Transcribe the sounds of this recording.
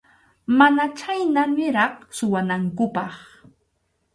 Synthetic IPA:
manat͡ʃajnamɪɾɑχsʊwanaŋkʊpɑχ

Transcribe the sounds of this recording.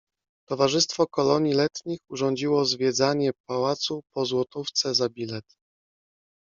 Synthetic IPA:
t̪ɔvaʐɘst̪fɔkɔlɔɲilɛt̪ɲixuʐɔɲd͡ʑiwɔzvʲjɛd̪zaɲɛpawat̪supɔzwɔt̪uft̪sɛzabʲilɛt̪

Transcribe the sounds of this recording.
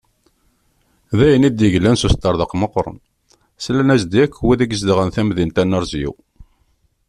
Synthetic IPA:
ðæjənid̪jəʝlːænsust̪ɑɾˤðəqməqːɾˤə̰n | slænæzd̪ijækʰːwiðæɡzd̪əʁənθæmðint̪ænːəɾˤzjḭw

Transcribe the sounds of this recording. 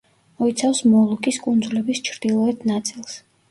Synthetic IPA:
mɔit̪sʰafsmɔlˠɔkʼiskʼund̪zulɛbist͡ʃʰɾd̪̥ilˠɔɛt̪ʰnat̪sʼilˠs

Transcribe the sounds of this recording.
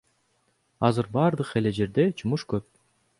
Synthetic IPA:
ɑzɯɾbɑɾd̪ɯqeled͡ʒe̞ɾd̪ed͡ʒumuʃkøp̚

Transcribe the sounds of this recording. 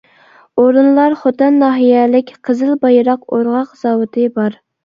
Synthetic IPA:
oɾunlˠɑɾχot̪ɨnːɑɦijɛlɪkʲqʰəzɨlbɑjɾɑqo̰ɾʁɑqz̥ɑːwɨt̪ʰɨbɑɾ

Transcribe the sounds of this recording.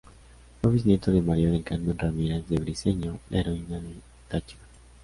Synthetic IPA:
oβisnet̪oðemaɾjoðelkanmenramiɾazðeβɾiseɲolʔa̰eɾoinaðe | t̪at͡ʃo

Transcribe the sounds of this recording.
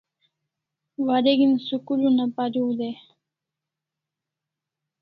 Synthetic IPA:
waɾeɡinsukulunapaɾud̪e

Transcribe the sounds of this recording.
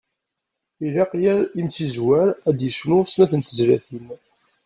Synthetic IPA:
ilɑqjæɾimsizwæɾæd̪jəsnʊɾsnæθənt̪əzɾæθin

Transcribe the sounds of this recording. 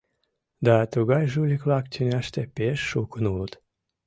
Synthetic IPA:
d̪ɑt̪uɣɑjʒulʲikβlɑkt̪ynʲæʃt̪epeʃːukənulət̪

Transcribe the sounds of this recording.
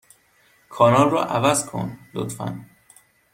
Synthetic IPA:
kʰɒːnɒːlrɒːʔævæzkʰo̰nlo̰t̪fæ̰n

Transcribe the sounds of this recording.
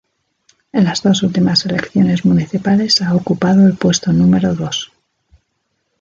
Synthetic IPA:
enlazðo̞sult̪imase̞lekθjo̞ne̞zmuniθipale̞saokupað̞o̞elpwe̞st̪o̞nume̞ɾoðo̞s

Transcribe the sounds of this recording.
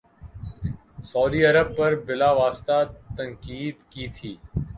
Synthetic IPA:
sɐʊd̪iːɐɾəb̚pɐɾbɪlaːʋaːst̪at̪ɐ̃ŋkiːd̪kiːt̪ʰiː

